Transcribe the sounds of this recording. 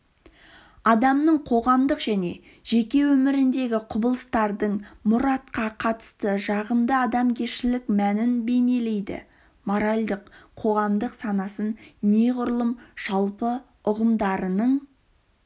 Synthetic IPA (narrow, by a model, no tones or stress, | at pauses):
ɑd̪ɑmnəɴqʰo̞ʁɑmd̪əqʒ̥æne̞̰ | ʒ̥e̞kʲe̞wɵmɪɾɪnd̪e̞ɡʲɪqʰʊbəlˠəst̪ɑɾd̪əɴmʊɾɑt̪̚qɑqʰɑt̪ə̥st̪əʒɑʁəmd̪əɑd̪ɑmkʲʰe̞ɾʃɪlɪkmænɪnbe̞ne̞le̞jd̪ɪ̰ | moɾalʲd̪əqʰo̞ʁɑmd̪əqsɑnɑsənne̞ʁʊɾlˠəmʒ̥ɑlˠpə | ʊʁəmd̪ɑɾənəɴ